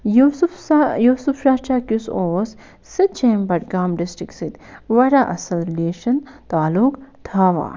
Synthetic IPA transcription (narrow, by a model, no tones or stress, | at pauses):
jusjuːsufɾaːt͡ʃaːkjusoːs | sit̪̚t͡ʃeːmbɐʈ̚ɡaːmɖɪsʈɾɪksit̪ʋɐɾaʔɐsɐlɾileːʃɐnt̪aːlukt̪ʰaːʋa̰ː